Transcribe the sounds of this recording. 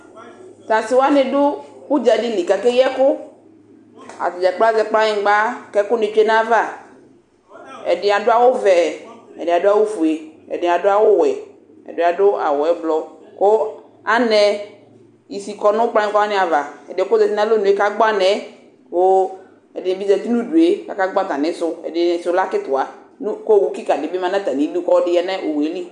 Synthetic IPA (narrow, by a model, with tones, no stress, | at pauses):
t̪ã˨si˦wo˦a˦ne˨ɖo˦ku˦d͡ʒa˨ɖi˦li˨ka˨kɛ˦jɛ˦kʊ˦ | a̰˨te˨d͡ʒɛ˨k͡plzɛ˨k͡pla˦ɲĩ˨˦ɡ͡ba˦kɛ˦kʊ˦ne˨t͡ʃe˦nã˦va˦˨ | ɛ̰˨de˨a˨ɖo˦a˦˨wo˦vɛ˨ɛ̰˨de˨a˨do˦a˦wo˦fu˨e˨ɛ̰˨de˨a˨do˦a˨wo˦wɛ˨ | ɛ̰˨de˨˦˨a˨ɖo˦a̰˨wɔ˨ɛ˨˦blɔ˦ | ko˦ | a˦nɛ˦ | i˨si˨kɔ˦nʊ̃˦k͡plã˦kɔ˦a˦nɪ̃˦a˨va˨ɛ̰˨dɪ˨ɛ˨˦kʊ˦zɛ˨ti˦nã˦lo˦nũ˨˦e˦ka˦ɡ͡ba˦nɛ̃˨˦ | ko˦ | ɛ˨dɪ˨bi˦zɛ˨t̪i˦nũ˦du˨e˦ka̰˦ka˦ɡ͡ba˦t̪ã˨nɪ̃˦sʊ˦ɛ̰˨dɪ˨sʊ˨˦la˦kɪ˦t̪ʊ˨a˨ | nu˦ko˦˨wu˦ki˦ka˨dɪ˨bɪ˦mã˦nã˦t̪a˨nĩ˨˦du˦kɔ˦dɪ˦jɛ˨nɛ̃˦ʔo˨we˨˦li˦